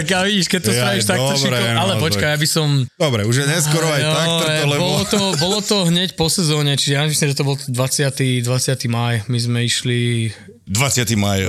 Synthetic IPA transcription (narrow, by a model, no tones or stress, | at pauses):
akaʋiɟiʃkɛt̪ɔaɛʃt̪akaɛɔalɛpɔt͡ʃkajabisɔmd̪ɔbɾɛuʒjɛɲɛskɔɾɔajɔakt̪ɛɔlɛbɔlɔlɔt̪ɔbɔlɔt̪ɔɦɲɛcpɔsɛzɔːɲɛt͡ʃiʒɛjasimslimʒɛt̪ɔbɔlˠt̪d̪ʋat͡sɪat̪id̪ʋat͡sɪat̪imajmizmɛiʃli | d̪ʋat͡sɪat̪imaj